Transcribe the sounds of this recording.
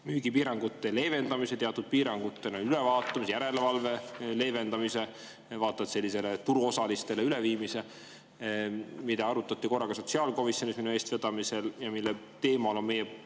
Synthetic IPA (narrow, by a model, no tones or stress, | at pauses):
myːɡipiːɾɑŋɡ̥ut̪ˑːe̞le̞jve̞nd̪ɑmise̞t̪e̞ɑt̪ːˑud̪̥̚piːɾɑŋɡ̥ut̪ːenonylevɑːt̪ːˑɑmisejæɾe̞levɑlve̞le̞ːve̞nd̪ɑmise̞ | vɑːt̪ːˑɑt̪se̞lʲːise̞let̪uɾuo̞sɑlist̪e̞leyleviːmise̞ | mid̪ɑɑɾut̪ːˑɑt̪ʲːiko̞rːɑkɑso̞t̪siɑlko̞misjo̞nʲisminue̞ːst̪ve̞d̪̥ɑmise̞ljɑmilːe | t̪e̞ːmɑlo̞nme̞jɛ